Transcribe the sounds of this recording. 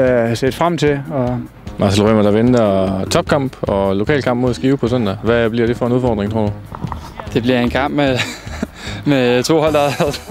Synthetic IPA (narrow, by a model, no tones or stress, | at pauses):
æsed̥fʁam̰t͡sʰe̝lɒ̽ | mʔɑ̈selʁømɐd̥ɑ̈ʋend̥ɐt͡sʰɒ̽b̥̚kʰɑ̈m̰b̥ɒ̽lo̝kʰɛ̰ːlkʰɑ̈m̰b̥mo̝ðˠsɡ̥iːʊpʰɒ̽sɔn̰d̥æʋæb̥liɐɾe̝fɒ̽e̝nuðˠfɒ̰ːd̥ʁeŋt͡sʰo̝ɐ̰d̥u | d̥e̝b̥liɐe̝nkʰɑ̈m̰b̥me | met͡sʰo̝̰ːhɒld̥ɑðˠ